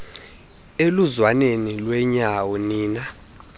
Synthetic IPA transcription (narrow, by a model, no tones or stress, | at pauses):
eluzwanenilwɛɲawɔniːna